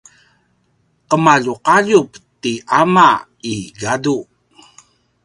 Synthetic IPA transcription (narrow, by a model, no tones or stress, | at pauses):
ʔəmaʎuqaʎuptiʔama | iɡadu